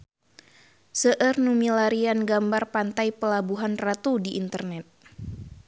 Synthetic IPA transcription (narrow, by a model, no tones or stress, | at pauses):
səʔərnumilaɾianɡambarpant̪ajpəlabuɦanrat̪udiʔːnt̪ərnɛt̪̚